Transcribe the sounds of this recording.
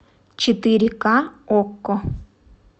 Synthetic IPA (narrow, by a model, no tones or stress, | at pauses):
t͡ʃit̪iɾikaokːo